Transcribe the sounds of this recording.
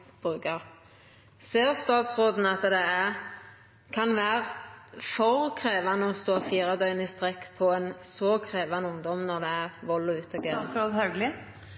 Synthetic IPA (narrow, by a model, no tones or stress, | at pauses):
b̥ʁʉːkɑʁ | seːʁst̪ɑːt̪sʁoːd̪n̩ɑt̪d̪ɛæʁ | kʰɑnʋæːʁfɔʁkʰʁeːʋɑnəɔst̪oːfiːʁɑd̪œʏnist̪ʁɛkːpʰɔɛnsoːkʰʁeːʋɑnəʊŋd̪ɔmnɔʁd̪ɛæʁʋɔlːʊʉːt̪ɔɡeːɔhɑʉɡlɪ